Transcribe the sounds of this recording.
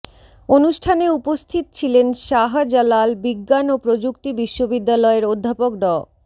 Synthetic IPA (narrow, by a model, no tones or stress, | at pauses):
onuʃʈʰaneupost̪ʰit̪o̥t͡ɕʰilenʃaɦad͡ʑalalbiɡːanopɾod͡ʑukt̪ibiʃːobid̪ːalɔeɾod̪ʱːapok̚ɖɔ